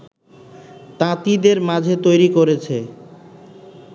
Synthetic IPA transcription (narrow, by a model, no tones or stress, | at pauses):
t̪ãt̪id̪eɾmad͡ʑʱet̪ojɾikoɾet͡ɕʰe